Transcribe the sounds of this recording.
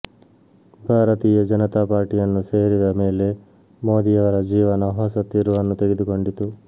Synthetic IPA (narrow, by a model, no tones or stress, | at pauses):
bʱaːɾɐt̪iːjɐd͡ʒɐnɐt̪apaːɾʈijɐnːuse̞ːɾid̪ɐme̞ːle̞ | mo̞ːd̪ijɐʋɐɾɐd͡ʒiːʋɐnɐɦɔːsɐt̪ːiɾuʋɐnːut̪e̞ɡed̪uko̞ɳɖit̪u